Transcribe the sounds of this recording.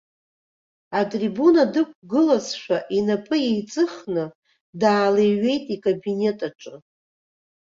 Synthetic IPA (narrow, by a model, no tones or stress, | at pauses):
atʼribunadɨk̚ʷʰʼɡɨlazʃʷᶣaʔinapʼɨje̞jt͡sʼɨχnɨ | daːlejɥe̞jtʼikʼabine̞tʼaʈ͡ʂʼɨ